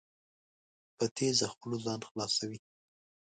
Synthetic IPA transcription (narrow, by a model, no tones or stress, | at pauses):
pət̪ʰezaxpəlozɑnxlɑsawi